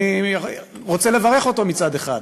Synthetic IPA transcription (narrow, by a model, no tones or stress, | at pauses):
i | ʁot͡sele̞vaʁe̞χo̞to̞mit͡sad̪eχa̰d